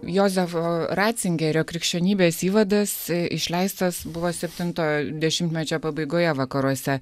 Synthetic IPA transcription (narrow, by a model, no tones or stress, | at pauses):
joːzʲɛfoɾɑːt̪sʲɪŋʲɡʲɛɾʲoːkɾʲɪkʃʲt͡ʃʲɛnʲiːbʲeːsiːʋɐd̪ɐsɪʃʲlʲɛɪst̪ɐsbʊʋoːsʲɛpʲt̪ʲɪnt̪oːd̪ʲɛʃʲɪmt̪mʲɛt͡ʃʲoːpɐbɐɪɡoːjɛʋɐkɐɾuɔsʲɛ